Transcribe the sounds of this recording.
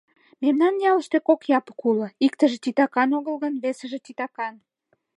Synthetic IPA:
memnɑnːjɑləʃt̪ekokjɑpə̥kuləikt̪əʒet̪it̪ɑkɑnoɣə̆lɣənβesə̆ʒet̪it̪ɑkɑn

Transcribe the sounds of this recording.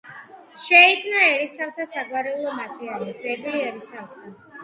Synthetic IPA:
ʃɛiɡ̪naɛɾist̪ʰaft̪ʰasaɡwaɾɛulˠɔmat̪ʼianid̪ɛɡliɛɾist̪ʰaft̪ʰa

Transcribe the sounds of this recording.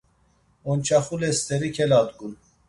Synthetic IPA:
ont͡ʃʰaχulest̪eɾikʲʰɛlɑd̪ɡun

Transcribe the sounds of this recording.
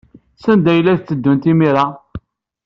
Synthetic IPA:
sænd̪æjlːæθt͡sːəd̪ːunt̪imiɾa

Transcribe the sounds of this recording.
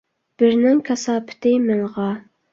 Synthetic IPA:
b̥ɪɾnɪŋkʲʰɑsɑːpʰɪ̥t̪ʰɪmɪŋʁɑ

